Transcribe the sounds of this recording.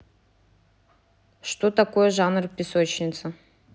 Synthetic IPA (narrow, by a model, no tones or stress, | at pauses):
ʂt̪ot̪ɐkojəʐanrpʲɪsot͡ɕnʲɪt̪sə